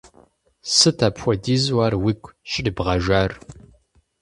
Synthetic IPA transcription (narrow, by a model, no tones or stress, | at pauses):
sɨtʰaːpxʷɔdiːzwaːrwikʷʰʼʃɪdɨbʁɐʒaːr